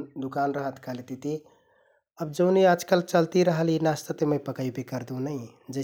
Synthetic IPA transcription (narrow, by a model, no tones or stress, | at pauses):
d̪ukanɾəɦət̪kəlet̪it̪i | əbd͡ʒəʊnead͡ʒkəlt͡ʃəlt̪iɾəɦəlinast̪ət̪eməjpəkəjbekəɾd̪ũnəɪ | d͡ʒə